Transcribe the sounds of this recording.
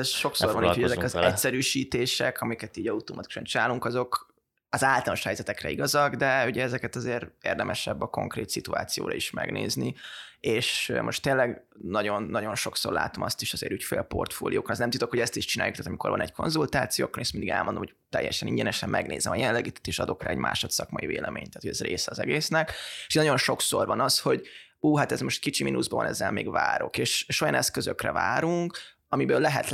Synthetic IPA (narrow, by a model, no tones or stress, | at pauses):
ɛʃo̞ksorvɒniːchoɛzɛkɒzɛtsɛɾyːʃiːt̪eːʃɛkʰɒmikɛt̪iːɟɒut̪omɒt̪iku̥ʃɒnt͡ʃinaːluŋkɒzo̞k | ɒzaːlt̪ɒlnoʃhɛjzɛt̪ɛkrɛ̰iɡɒzɒɡd̪ɛuɟɛɛzɛkɛt̪ɒzeːɾeːrd̪ɛmʔɛʃɛbːɒko̞̰ŋkreːt̪sit̪ua̰ːt̪sijo̰ːɾɒ̰iʃmɛ̰ɡnḛːznieːʃmʔo̞̰ʃt̪ːeːlɛɡ | nɒɟo̞nːɒɟo̞nʃo̞kso̞rla̰ːt̪o̞mɒst̪iʃɒzeːɾyːcfḛːlpo̞̰rt̪fo̰ːlijoːkonɛznɛmt̪ut̪okhoɟɛst̪iʃt͡ʃinaːjukt̪aːt̪ɒmiko̞rvɒ̰nɛckʰo̞nzult̪aːt̪sijoːkːoɾeːst̪mind̪iɡɛ̰lmʔond̪omːhot̪ɛjːɛʃɛniɲɟɛnɛʃɛmːʔɛɡneːzɛmɒjɛlɛɡiːt̪ɛ̥t̪ːeːʃɒd̪o̞kraːɛɟmʔa̰ːʃot̪sɒkmɒjiveːlɛmeːɲt̪aːt̪ʰoɟɛzreːsɛɒzɛɡeːsnɛkeʃnɒjo̞nʃo̞ksorvɒnɒsho̞ɟ | uːɦat̪ɛzmo̞ʃt̪kit͡ʃiminuzbɒvɒ̰nɛzːɛlmeːɡvaːɾo̞keːʃeʃojɒnɛskøzøkrɛ̰vaːɾuŋk | ɒmibøːlːɛɦɛt̪